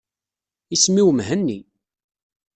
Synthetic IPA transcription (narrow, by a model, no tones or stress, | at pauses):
ismiwmɦənːi